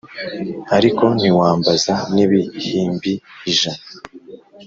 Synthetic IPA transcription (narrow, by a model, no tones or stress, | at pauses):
aɾiko̞n̥iwaːmbazaniβihiːmbiiʒana